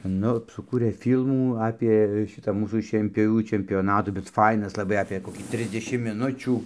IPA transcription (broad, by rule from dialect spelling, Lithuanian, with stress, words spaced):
ˈnʊ sʊˈkuːrʲeː ˈfʲiːlˠmuː ˈɑːpʲeː ˈʃʲɪtɑː ˈmuːsuː ʃʲiɛnʲpʲoːˈʋʲuː t͡ʃʲɛmʲpʲjoːˈnɑːtuː bʲɛt ˈfɐɪnɐs lˠɐˈbɐɪ ɐpʲeː koːˈkʲiː ˈtʲrʲɪzʲdʲɛʃʲɪmt mʲɪˈnʊt͡ʃʲuː